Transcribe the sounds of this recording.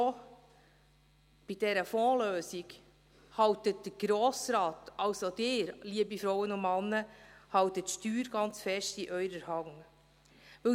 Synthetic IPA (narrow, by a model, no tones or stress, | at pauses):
o | b̥id̥ɛɾəfɔːløːsiɡ | hɑwtət̚d̥əɾɡ̥ɾɔːsɾɑːtɑwsod̥ɪːɾliəbifɾɔwənʊnmɑnːəhɑwtətʃtyːɾɡ̥ɑnt͡sfɛʃtiʔœʏɾəɾhɑŋ | ʋɵ